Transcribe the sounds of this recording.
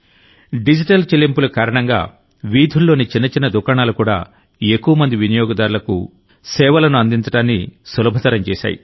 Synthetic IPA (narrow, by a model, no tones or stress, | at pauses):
ɖid͡ʒiʈɐlt͡ʃelːimpulukaːɾɐɳɐŋɡa̰ː | ʋiːd̪ʱulːo̞ːnit͡ʃinːɐt͡ʃinɐd̪ukaːɳaːlukuːɽa̰ː | ekːuʋɐmɐnd̪iʋinijoːɡɐd̪aːɾulɐkṵ | sɛːʋɐlɐnuɐnd̪iɲt͡ʃɐʈaːnːisulɐbʱɐt̪ɐɾɐmt͡ʃɛ̰ːʃa̰ːjḭ